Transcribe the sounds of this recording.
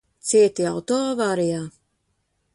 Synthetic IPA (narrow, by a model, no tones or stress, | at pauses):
t̪siɛt̪iawt̪ɔvaːɾijaː